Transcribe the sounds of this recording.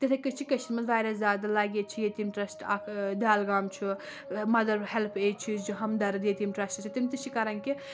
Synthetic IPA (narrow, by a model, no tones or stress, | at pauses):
t̪it̪ʰɐkɨt͡ʃʰikɐt͡ʃʰinmɐzʋaːjɾɐszʲaːd̪ɐlaːɡet͡ʃʰijet̪imʈɾɐsʈakʰd̪aːlɡaːmt͡ʃʰi | mɐd̪ɐɾhɛlpʰeːt͡ʃʰizd͡ʒuɦɐmd̪ɐɾɨd̪eːt̪imʈɾɐsʈt͡ʃʰit̪imʲt̪ɨt͡ʃʰikɐɾɐnki